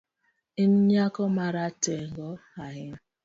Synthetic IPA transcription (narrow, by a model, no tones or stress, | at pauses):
in̩ɲakɔmaɾateŋɡɔaɦɪm